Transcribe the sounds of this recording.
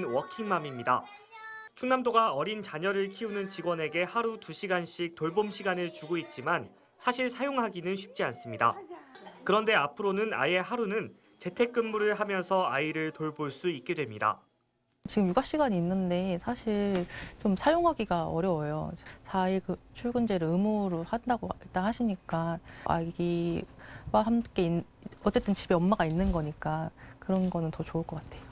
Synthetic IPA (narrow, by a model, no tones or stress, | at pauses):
nwʌkʰiŋmamimɲida̰ | t͡ɕʰuŋnamdoɡaʌɾint͡ɕaɲʌɾɯɭkʰiunɯnt͡ɕiɡwʌne̞ɡe̞haɾutuɕʰiɡanɕ͈ʰik̚t͈oɭbomɕʰiɡanɯɭt͡ɕuɡoit̚t͡ɕ͈iman | sʰaɕʰiɭsʰajoŋɦaɡinɯnɕʰi̥p̚t͡ɕ͈ians͈ɯmɲida̰kɯɾʌnde̞apʰɯɾonɯna̰je̞haɾunɯn | t͡ɕe̞tʰe̞k̚k͈ɯnmuɾɯɭɦamjʌnsʰʌaiɾɯɭtoɭboɭs͈uit̚k͈e̞dwe̞mɲida̰ | t͡ɕiɡɯmjuɡaɕ͈iɡaɲiːnːɯnde̞sʰaɕʰiɭt͡ɕomsʰajoŋɦaɡiɡaʌ̰ɾjʌwʌjo̰sʰaiɭkɯt͡ɕʰuɭɡɯnd͡ʑe̞ɾɯɭɯmoɾohandaɡoit͈anhaɕʰiɲik͈aʔa̰ɡi | waɦamk͈e̞in | ʌt͡ɕ͈e̞t͈ɯnt͡ɕibeʌmmːaɡainːɯnɡʌɲik͈akɯɾʌnɡʌnɯntʌt͡ɕoɯɭk͈ʌk͈atʰe̞jo